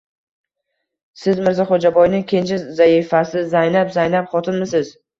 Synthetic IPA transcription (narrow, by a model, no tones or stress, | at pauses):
sɪzmɪɾzaχod͡ʒabɒjnɪkʲʰe̞nt͡ʃʰɪzaɪfasɪzajnapzajnapχɒt̪ʰɪnmɪsɪz̥